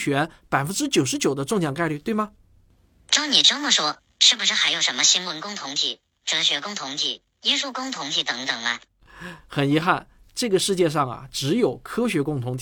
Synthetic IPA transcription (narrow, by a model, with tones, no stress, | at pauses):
t͡ɕʰɥɛ˧˥npa˨˩ɪfə˥nʈ͡ʂɻ̩˥t͡ɕjo˨˩ʊʂ̬ɻ̩˧˥t͡ɕjo˨˩ʊd̪ə˦ʈ͡ʂʊ˥˧ŋɕjɑ˨˩ŋka˥˧ɪly˥˧t̪we˥˩ɪmɐ˩ | ʈ͡ʂɑ˥ʊni˨˩ʈ͡ʂə˥mə˨ʂwɔ˥ | ʂɻ̩˥˩bu˩ʂɻ̩˥˩xa˧˥ɪjo˨˩ʊʂə˧˥nmə˧ɕi˥nwə˧˥nkʊ˥ŋt̪ʰʊ˧˥ŋt͡ɕ̪ʰi˥˩ | ʈ͡ʂɤ˧˥ɕɥɛ˧˥kʊ˥˧ŋt̪ʰʊ˧˥ŋt͡ɕ̪ʰi˥˩ | i˥nsu˥˧kʊ˥ŋt̪ʰʊ˧˥ŋtʰi˧˥˩t̪ɤ˧˥ŋt̪ɤ˨˩ŋɐ̰˦ | xə˨˩ni˧˥xa˥˩n | ʈ͡ʂɤ˥˩ɡə˩ʂɻ̩˥˧t͡ɕjɛ˥˧ʂ̬ɑ˥˩ŋɐ̰˩ʈ͡ʂɻ̩˧˥jo˨˩ʊkʰɤ˥ɕɥɛ˧˥kʊ˥˧ŋt̪ʰʊ˧˥ŋt̪ʰ